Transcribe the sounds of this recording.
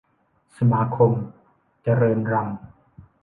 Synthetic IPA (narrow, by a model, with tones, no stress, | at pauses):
sa˧maː˩˦kʰo˧m | t͡ɕa˧ɾɤː˧nɾa˧ŋ